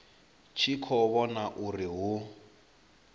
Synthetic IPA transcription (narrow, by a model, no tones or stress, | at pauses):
t͡ʃʰikʰɔβɔnaʔuriɦu